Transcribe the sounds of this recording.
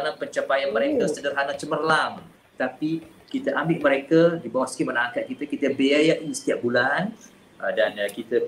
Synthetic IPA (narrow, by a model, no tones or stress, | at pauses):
anapəɲt͡ʃapajanməɾekəssədərɦanat͡ʃəmərlam | t̪api | kit̪əʔambɪʔməɾekədibawahsə̥kɪmənaaŋkat̪̚kit̪əkit̪əbeajaʔisə̥t̪iaʔ̚bulan | dankit̪ə